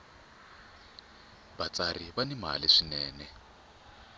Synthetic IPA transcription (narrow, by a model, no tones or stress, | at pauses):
βat͡sariβanɛma̰liʂinɛːnɛ